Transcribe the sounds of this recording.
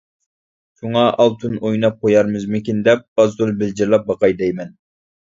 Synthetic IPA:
ʃuŋɑʔɑlˠt̪ʰunojnɑp̚qʰojɑɾmɨzmɪkʲind̪ɛp̚ɑzd̪ulˠbɪld͡ʒiɾlˠɑp̚bɑqɑjd̪ɛjmɛn

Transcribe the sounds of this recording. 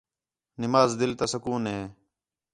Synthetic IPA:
nɪmaːzd̪ɪlt̪asəkuːnɦeː

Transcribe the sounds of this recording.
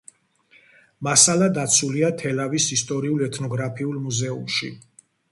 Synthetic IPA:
masalad̪at̪sʰuliat̪ʰɛlavisist̪ʼɔɾiulˠɛt̪ʰnɔɡɾapʰiulˠmuzɛumʃḭ

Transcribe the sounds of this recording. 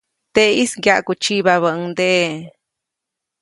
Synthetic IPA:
t̪eisɡjaʔkut͡ʃiβaβəʔɨd̪eʔ

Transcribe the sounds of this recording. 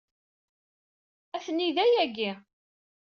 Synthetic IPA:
æθənːiðæjæɡi

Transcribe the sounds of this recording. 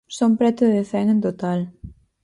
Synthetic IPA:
sompɾɛt̪oðefɛŋẽnt̪ot̪al

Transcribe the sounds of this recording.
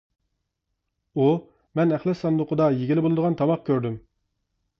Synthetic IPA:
u | mɛnæχlˠɪsːɑnd̪ʊqʰʊd̪ɑjeɡʲilɪbolˠɨd̪əʁɑnt̪ʰɑmɑq̚kʲʰøɾd̪ym

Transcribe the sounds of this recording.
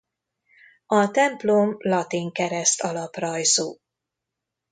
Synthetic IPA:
ɒt̪ɛmplomlɒt̪iŋkɛɾɛst̪ɒlɒprɒjzuː

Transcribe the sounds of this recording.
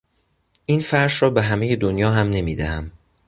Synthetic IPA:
ʔiːnfæɾʃɾɒːbe̞ɦæme̞je̞d̪onjɒːɦæmne̞miːd̪æhæm

